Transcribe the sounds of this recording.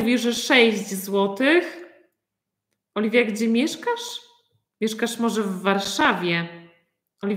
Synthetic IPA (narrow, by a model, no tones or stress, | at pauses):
vʲiʐɛʂɛɕʑd͡ʑzwɔt̪ɘx | ɔlʲivʲjaɡd͡ʑɛmʲjɛʂkaʂ | mʲjɛʂkaʂmɔʐɛvːaɾʂavʲjɛ | ɔlʲi